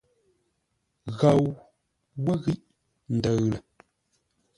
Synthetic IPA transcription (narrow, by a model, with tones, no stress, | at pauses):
ɣa˨w | wə˦ɣi˦ʔ | n̩˨də˨ɣlə˨